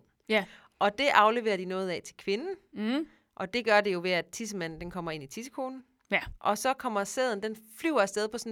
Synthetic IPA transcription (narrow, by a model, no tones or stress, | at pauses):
ʔɒ̽d̥e̝ʔɑ̈ʊle̝ʋe̝̰ːɐd̥inɔ̽ːð̞̩ˠɛt͡sʰe̝lkʰʋe̝nn̩ | ʔɒ̽d̥e̝ɡ̥ɶɐde̝jo̝ʋe̝æ̥t͡sʰis̬əmæn̰n̩d̥enkʰɒ̽m̰ɐe̝n̰it͡sʰisə̥kʰo̝ːnn̩ | ʔɒ̽sɒ̽kʰɒ̽m̰ɐseð̞ˠn̩d̥enflyʊɐsd̥eð̞ˠpʰɒ̽sn